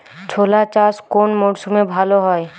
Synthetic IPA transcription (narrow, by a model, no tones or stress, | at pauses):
t͡ʃʰoːlat͡ʃaːskoːnmoːɽsumebʱaːloɦɔe